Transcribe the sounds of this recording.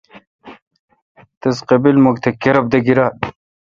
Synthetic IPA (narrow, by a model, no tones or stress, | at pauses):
t̪ezqebilmoɡt̪ʰekeɾɐb̚d̪ɐɡiɾa